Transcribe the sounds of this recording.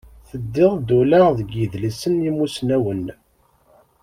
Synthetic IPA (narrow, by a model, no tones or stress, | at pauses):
θəd̪ːɪðˤd̪ulaʁðəɡəðlisənjimːusnæwən